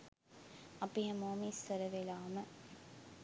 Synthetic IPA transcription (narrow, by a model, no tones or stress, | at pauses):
ɐpijɐmoːmistɐɾɐʋelaːmɐ